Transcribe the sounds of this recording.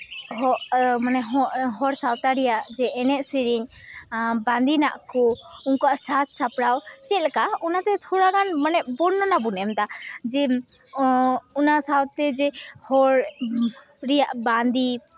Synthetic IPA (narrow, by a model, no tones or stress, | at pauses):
ɦɔʔmanɛɦɔʔɦɔɾsawt̪aɾɛjaʔd͡ʒɛɛnɛʔsiɾiɲ | bãnd̪inaʔkɔuŋkɔaʔsat̪̚ʰsapɽawt͡ʃɛt̪̚lɛkaunat̪ɛt̪ʰɔɾakanmanɛʔ̚bɔɽnːɔnabunɛmt̪ad͡ʒɛ | unasawt̪ɛd͡ʒɛhɔɾ | ɾɛjaʔband̪i